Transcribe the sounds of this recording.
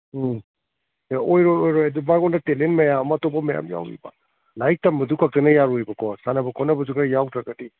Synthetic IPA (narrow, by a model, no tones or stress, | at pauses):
eojɾojojɾojadubaɡɔndɐtelenmɐjamɐtɔpɐmɐja̰mja̰wḭba̰ | lajk̚tɐmːɐdukʰak̚tɐnɐjaɾuibɐkʰɔsanɐbɐkʰɔnɐbɐzukɾajawtɾaɡɐti